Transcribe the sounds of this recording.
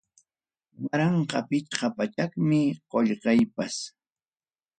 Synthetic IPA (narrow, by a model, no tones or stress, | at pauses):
waɾɑɴqɑpɪt͡ʃqɑpat͡ʃakmɪqoʎɢɑjpas